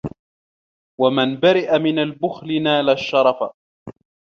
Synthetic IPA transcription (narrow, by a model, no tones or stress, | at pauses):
wamanbaɾɪʔamɪnalbʊxlɪnaːlaʃːɑɾˤɑfa